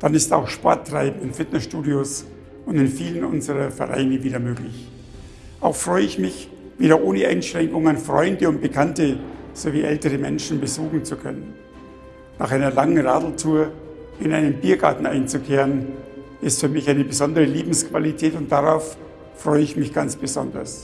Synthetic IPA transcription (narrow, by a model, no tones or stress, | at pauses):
d̥anɪsta̰ʊxʃpɔɐtːʁ̥a̰ɪbm̩ɪnfɪtnɛsʃtuːdios | ʊndɪnfiːlənʔʊnzəʁɐfɛ̰ʁa̰ɪnəviːdɐmøːklɪç | ʔaʊxfʁ̥ɔʏəɪçmɪç | v̥iːdɐʔoːnəʔa̰ɪnʃʁ̥ɛŋkʊŋənfʁ̥ɔ̰ʏndəʊnt̚b̥əkʰantəz̥oːviːʔɛ̰ltəʁəmɛ̰nʃn̩bəzuːxn̩t͡sukʰœ̰nənː | aːχaɪnɐlaŋənʁaːdl̩tʰuːɐ | ɪnʔaɪnəmbiːɐɡaɐtn̩ʔa̰ɪnt͡sukʰeːʁən | ɪstfyːɐmɪçʔaɪnəbəzɔndəʁəliːbm̩skv̥alitʰɛːtʊntd̥aʁaʊfː | ʁ̥ɔʏəɪçmɪçɡ̥ant͡sb̥əzɔ̰ndɐ̰s